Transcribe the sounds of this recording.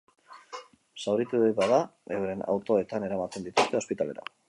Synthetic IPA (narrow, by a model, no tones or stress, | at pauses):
sawɾit̪uðejβaðaewɾe̞na̰wt̪o̞e̞t̪ane̞ɾamat̪e̞nd̪it̪ust̪e̞o̞spit̪ale̞ɾa̰